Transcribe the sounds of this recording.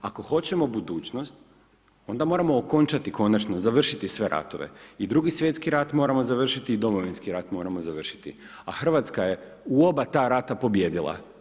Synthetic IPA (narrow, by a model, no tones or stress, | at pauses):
ako̞xo̞t͡ɕe̞mo̞bud̪uːt͡ɕno̞st̪̚ | o̞nd̪amo̞ɾamo̞ːko̞nt͡ʃat̪iko̞nat͡ʃnozaʋr̩ʃit̪isʋe̞ɾa̰t̪oʋḛid̪ɾuɡisʋje̞t̪skiɾat̪mo̞ːɾamo̞zaʋr̩ʃit̪iːd̪o̞mo̞ʋinskiɾat̪mo̞ːɾamo̞zaʋr̩ʃi̥t̪ḭ | axr̩ʋat̪skaje̞ | uo̞bat̪aːɾat̪apo̞bje̞ːd̪ilˠa̰